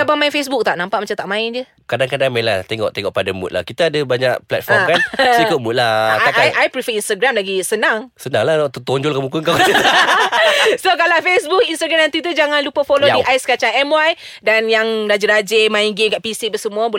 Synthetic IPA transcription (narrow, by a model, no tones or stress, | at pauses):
abamaɪnfes̬buk̚t̪aʔnãmpaʔmat͡ʃamt̪aʔmãɪnd͡ʒə | kadaŋkadaŋmɛlaht̪eŋɔ̰ʔt̪eŋɔʔpadamṵt̪̚la̰hkit̪aːdəbaɲaʔplɛ̰t̪fɔrmkansikoʔ̚mut̪̚laaaʔajʔajpɾifəinst̪aɡɾamlaɡisənaŋsənaŋlat̪ət̪ɔɲd͡ʒɔlkamukunka | sokalawfesbuk̚inst̪aɡɾamnant̪it̪̬əd͡ʒaŋanlupəfolodiʔajsə̥kat͡ʃaŋɛmwaj | danjaŋɾad͡ʒiɾad͡ʒemãinɡemkaʔpisiʔbəsəmũabu